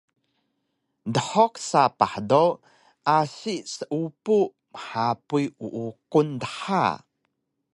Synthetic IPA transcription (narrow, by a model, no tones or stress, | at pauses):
dəħɔksapaħdow | ʔasiʔsəʔupu | məħapujuʔukundəħa̰